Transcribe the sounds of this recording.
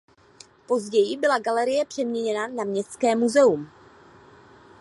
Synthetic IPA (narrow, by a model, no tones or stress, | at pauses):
po̞zɟɛjɪbɪlaɡalɛɾɪjɛpr̥ɛmɲɛɲɛnanamɲɛstt͡skɛːmuzɛum